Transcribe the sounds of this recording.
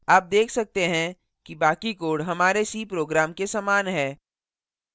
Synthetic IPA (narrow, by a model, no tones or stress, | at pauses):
aːp̚d̪eːkʰsɐk̚t̪eɦɛ̃ | kibaːkikoːɽɦɐmaːɾesiːpɾoːɡɾaːmkesaːmaːnɦɛː